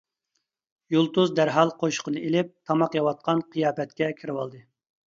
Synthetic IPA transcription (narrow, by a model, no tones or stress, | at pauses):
jolˠt̪uzd̪æɾɦɑlˠqʰoʃqʰənɨelɪp̚t̪ʰɑmɑqjɑwɑt̪̚qɑnqʰɨjɑːpɛt̪̚kʲɛkʲʰiɾɪwɑlˠd̪ɨ